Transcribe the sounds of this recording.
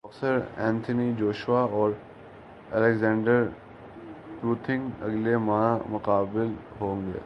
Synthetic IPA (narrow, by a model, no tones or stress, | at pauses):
ɐfsəɾɛ̃ːnt̪ʰənid͡ʒoːʃwaɔːɾ | ɛ̰lɛɡzɛ̃ːɳɖəɾ | pɾuːt̪ʰɪ̃ŋɡɐ̰ɡlemãːmʊqaːbɪlɦõːŋɡḛː